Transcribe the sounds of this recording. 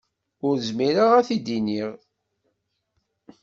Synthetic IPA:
ʊɾəzmiɾaʁæθid̪iniʁ

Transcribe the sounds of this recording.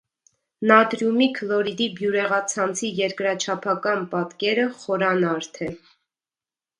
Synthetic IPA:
nɑd̪ɾjumikʰlɔɾid̪ibjuɾɛʁɑt͡sʰɑnt͡sʰijɛɾkɾɑt͡ʃʰɑpʰɑkɑnpɑt̪kɛɾəχɔɾɑnɑɾt̪ʰɛ

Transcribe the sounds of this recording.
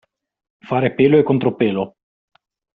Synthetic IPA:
faːɾepeːloekːont̪ɾopeːlo

